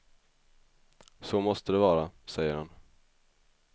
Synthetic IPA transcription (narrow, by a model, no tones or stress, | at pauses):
somɔst̪əd̪ɛvɑːɾasɛjːəɾhan